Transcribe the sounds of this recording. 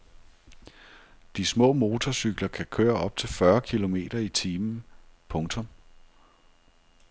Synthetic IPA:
d̥ismɔ̰̽ːmo̝ːt͡sʰɒsyɡ̥lɐkʰækʰøːɐʔɒ̽b̥̚t͡sʰe̝lfɶɐkʰilo̝me̝̰ːd̥ɐit͡sʰiːmn̩pʰɔ̽ŋt͡sʰɔ̽m

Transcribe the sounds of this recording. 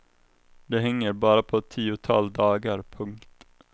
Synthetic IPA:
d̪ɛɦɛŋːəɾbɑːɾapʰɔt̪ʰiːʊt̪ʰɑ̰ld̪ɑːɡaɾpʰɵŋkt̪

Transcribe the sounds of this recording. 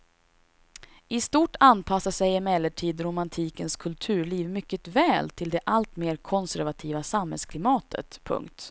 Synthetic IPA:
ɪst̪uːʈʰanpʰasːasɛjɛmɛlːəʈʰiːd̪ɾʊmant̪ʰiːkənskʰɵlt̪ʰʉ̟ːɭiːvmʏkːət̪vɛːlt̪ʰɪld̪ɛʔalt̪meːɾkʰɔnsæɾvat̪ʰiːvasamhɛ̰lskʰlɪmɑːt̪ʰə̰t̪pʰɵ̰ŋkt̪

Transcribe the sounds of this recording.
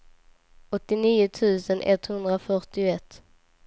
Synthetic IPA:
ɔt̪ːɪniːʊt̪ʰʉ̟ːsənʔɛ̰t̪hɵnd̪ɾafœʈɪʊɛt̪ː

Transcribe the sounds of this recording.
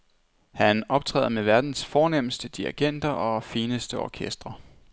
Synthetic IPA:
hænʔɒ̽b̥̚t͡sʰʁɛ̰ːðˠmeʋæɐd̥n̩sfɒːnem̰̩sd̥əd̥iæɡ̥en̰d̥ɐʔɒ̽fiːnəsd̥əɒ̰kʰesd̥ʁɐ

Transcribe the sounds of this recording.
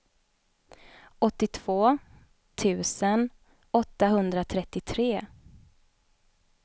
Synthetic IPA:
ɔt̪ːɪt̪ʰv̥oː | t̪ʰʉ̟ːsən | ɔt̪ːaɦɵnd̪ɾat̪ʰɾɛt̪ːɪt̪ʰɾeː

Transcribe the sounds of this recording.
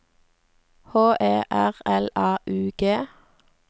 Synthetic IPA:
hoːʔeːʔæʁɛlɑːʔʉːɡ̥eː

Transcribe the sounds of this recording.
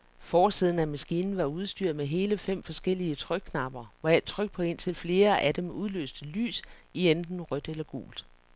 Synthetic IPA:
fɒːsið̞̰ˠn̩æmæsɡ̥iːnn̩ʋɑ̈uð̞ˠsd̥yɐ̰meɦe̝ːləfem̰fɒ̽sɡ̥el̰iət͡sʰʁœɡ̥̚kʰːnɑ̈b̥ɐʋɑ̈ed̥̚t͡sʰʁœɡ̥̚pʰɒ̽e̝n̰t͡sʰe̝lfle̝ːɐʔæd̥emuðˠlø̰ːsd̥əly̰ːsiend̥n̩ʁœd̥elɐɡ̥o̝̰ːld̥

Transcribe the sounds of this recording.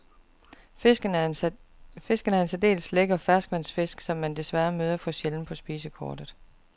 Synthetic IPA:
ɡ̥ən | fe̝sɡ̥ənəæɐe̝nsæd̥e̝̰ːlsleɡ̥ɐɒfæɐsɡ̥ʋæn̰sfe̝sɡ̥sɒ̽mːænd̥e̝sʋæɐmøːð̞ˠɐfɒ̽ɕeln̩pʰɒ̽sb̥iːsəkʰɒːd̥ð̩ˠ

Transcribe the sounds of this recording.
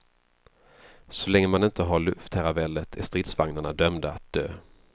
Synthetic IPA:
sɔlɛŋːəmanɪnt̪əɦaɭɵft̪ʰːæɾabɛlːət̪ʰæʂt̪ɾɪt̪svaŋnaɳad̪œmd̪aa̰t̪̚d̪̥ø̰ː

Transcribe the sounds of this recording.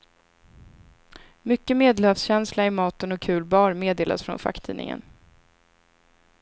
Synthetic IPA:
mʏkːəmeːd̪lœːfsɕɛnslaɪmɑːt̪ənɔkʰːʉ̟ːlbɑːɾmeːd̪eːlʔa̰sfɾɔ̰nfa̰kt̪ʰḭːnɪ̰ŋə̰n

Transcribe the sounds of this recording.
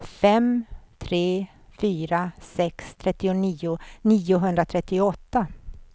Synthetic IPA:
fɛmt̪ʰɾeː | fyːɾasɛkst̪ʰɾɛt̪ːɪʊniːʊniːʊɦɵnd̪ɾat̪ʰɾɛt̪ːɪʊɔt̪ːa

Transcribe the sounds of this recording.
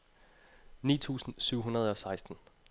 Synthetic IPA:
nḭːt͡sʰṵːsn̩syʊ̰ɦunɐð̞̩ˠɒ̽sɑ̈ɪsd̥n̩

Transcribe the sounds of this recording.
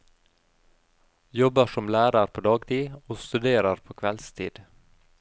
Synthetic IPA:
jɔbəʂɔmlæːɾəɾpʰoːd̪ɑːɡt̪ʰiːoːst̪ʉd̪eːɾəɾpʰoːkʰʋɛlst̪ʰḭːd̪

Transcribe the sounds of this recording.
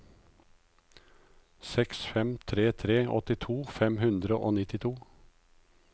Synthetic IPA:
sɛksfɛmt̪ʰɾeːt̪ʰɾeːʔɔ̰t̪ɪt̪ʰuːfɛmhʉnd̪ɾəʔoːnɪt̪ɪt̪ʰuː

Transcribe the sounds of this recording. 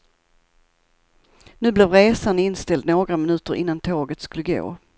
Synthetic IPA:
nʉ̟ːblɛvɾeːsanɪnst̪ɛld̪noːɡɾamɪnʉ̟ːt̪əɾʔɪ̰nːant̪ʰoːɡət̪skɵlːəɡo̰ː

